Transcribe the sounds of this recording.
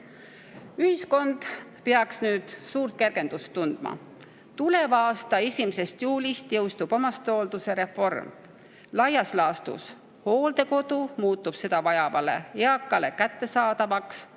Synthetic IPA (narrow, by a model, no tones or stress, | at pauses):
yhisko̞nd̪̥peɑksnyːd̪̥suːrt̪̚ke̞rɡ̥e̞nd̪̥ust̪ːund̪̥mɑ̰ | t̪ule̞vɑːst̪ɑesʲimese̞st̪juːlʲist̪jɤwst̪ub̥omɑst̪old̪̥use̞ɾe̞fo̞rm | lɑjɑslɑːst̪ṵs | ho̞ːld̪̥e̞ko̞d̪̥umuːt̪ːˑub̥se̞d̪ɑvɑjɑvɑle̞̰eɑkːˑɑle̞kæt̪ːe̞sɑːd̪̥ɑvɑks